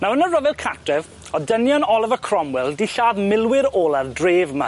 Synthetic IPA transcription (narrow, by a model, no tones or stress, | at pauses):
mawənərəvɪlˠkʰak̚tɛv | ɔdənjɔnɔlˠɪvəkʰr̥ɔmwɪlˠdiɬaːðmɪlˠwɪɾoːlˠardreːvma